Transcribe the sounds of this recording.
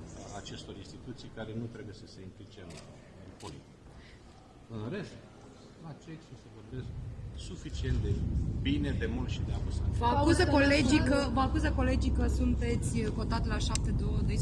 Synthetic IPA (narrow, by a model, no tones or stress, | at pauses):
at͡ʃe̞st̪o̞ɾinst̪it̪ut̪sijkaɾe̞nut̪ɾe̞buje̞səse̞ɨŋklit͡ʃen | ɾipolik | ɨnɾe̞st̪̚ | at͡ʃeksosevo̞rbe̞sk̚sufit͡ʃie̞nt̪̚d̪ebine̞d̪e̞mult̪ʃid̪eapusat̪vəakuzəkoled͡ʒikəvəakuzəko̞le̞d͡ʒikəsunt̪e̞t̪sʲko̞t̪at̪laʃap̚t̪e̞d̪od̪ojs